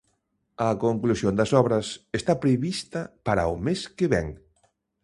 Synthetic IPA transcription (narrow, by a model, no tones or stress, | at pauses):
ɐkoŋklusjond̪ɐsɔβɾɐsest̪apɾeβist̪ɐpaɾa̰ʊmeskeβɛ̰ŋ